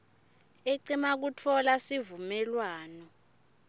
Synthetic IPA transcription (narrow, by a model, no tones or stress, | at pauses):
eǃimak̬utʰɔlasivumɛlwaːnɔ